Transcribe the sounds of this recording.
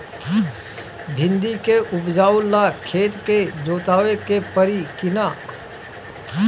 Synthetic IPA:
bʱɪ̃nd̪ikeʔʊbd͡ʒaːʊlːaːkʰeːt̪ked͡ʒoːt̪aːʋekepəɾikɪnaː

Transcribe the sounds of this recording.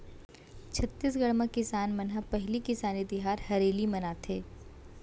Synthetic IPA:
t͡ʃʰɐt̪ːiːsɡɐɽməkːɪsaːnmɐnɦəpɛɦlikɪsaːnid̪ɪɦaːɾhɐɾeːlimɐnaːt̪ʰeː

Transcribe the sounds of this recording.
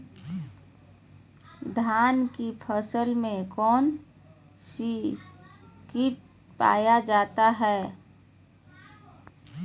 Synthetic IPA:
d̪ʱaːnkipʰəsəlmẽkɔːn | si | kɪʈ̚ | pa̰ːjad͡ʒaːt̪aɦɛː

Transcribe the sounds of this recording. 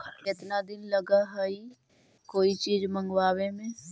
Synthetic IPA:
ɪt̪nad̪ɪnləɡaɦəi | koːit͡ʃiːzmə̃ŋɡwaːwemẽ

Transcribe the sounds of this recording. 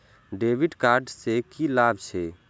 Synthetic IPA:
ɖeːʋɪɖkaːɾɖsekilaːbt͡ʃʰe

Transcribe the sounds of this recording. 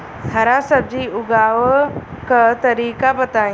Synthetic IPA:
hɐɾasɐb̚d͡ʑiʊɡaːʋkət̪ɐɾiːkabɐt̪ãː

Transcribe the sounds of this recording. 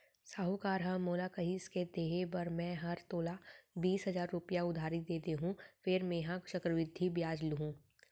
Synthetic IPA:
saːɦukaːɾɦãmoːlakɐɦisked̪eːɦebɐɾmɛ̃ːɦɐɾt̪oːlabiːsɦɐzaːɾːʊpijaʊd̪ʱaːɾid̪eːt̪eɦũfʰɪɾmẽːɦãkʃɐkɾəʋɪd̪ʱːibjaːd͡ʒlɦũː

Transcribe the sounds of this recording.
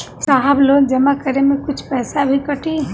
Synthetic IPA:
saɦbloːɡd͡ʒɐmakəɾemẽkʊt͡ʃʰpɛːsabʱikɐʈeɦ

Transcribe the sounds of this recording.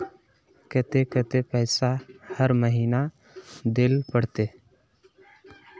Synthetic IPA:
kət̪ekət̪epɛɪsahəɾməɦiːna | d̪ɪlpəɽt̪e

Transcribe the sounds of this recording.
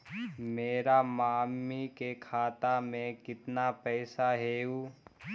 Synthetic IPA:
meːɾamaːmːikekʰaːt̪amẽkɪt̪napɛːsaɦeːuː

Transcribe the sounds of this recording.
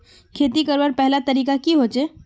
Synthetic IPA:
kʰeːt̪ikəɾʋəɾpɛɦlat̪əɾiːkakiɦoːt͡ʃe

